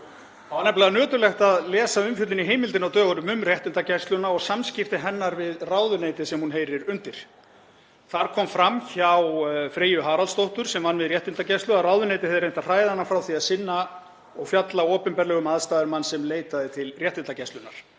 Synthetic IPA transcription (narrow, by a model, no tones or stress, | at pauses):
awhanːɛplaðanœːt̪ʏɾlɛxt̪aðlɛːsaʏmfjœt̪lɪniɦeːjmɪlt̪ɪnawt̪œːɣaɾʏmʏmrjɛht̪ɪnt̪acɛst̪lʏnaɔɣsamscɪft̪ɪɦɛnːaɾvɪðraːwðʏneːjt̪ɪsɛmhunɦejɾɪɾʏnt̪ɪɾ̥ | θaɾkʰɔːmfɾamːçawfɾeːjʏɦaːɾalst̪owht̪ʏɾ̥sɛmvanːvɪðrjɛht̪ɪnt̪acɛst̪ʏaraːwðʏnejt̪ɪhɛðʏɾejnt̪r̥aːjðɪhanːafɾawθiaðsɪnːa | ɔɣfjat̪laɔːpʏnpɛɾlɛɣʏmaðst̪aːðʏɾmanːsɛmleːjt̪aðɪt̪ʰɪlrjɛht̪ɪnt̪acɛst̪lʏnːaɾ̥